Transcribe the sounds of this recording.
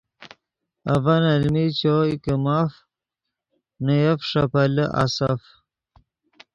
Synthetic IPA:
avanalmit͡ɕoikəmaf | nəjafʂapaləʔa̰saf

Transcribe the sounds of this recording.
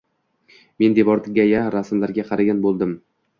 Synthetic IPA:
me̞nd̪e̞vɒɾt̪ɪɡʲajaɾasmlaɾɡʲaqʰɑɾaɡʲanbolˠd̪ɪm

